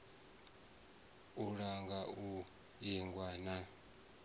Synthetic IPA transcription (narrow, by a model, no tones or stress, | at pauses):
uɺaŋɡau | iŋɡwana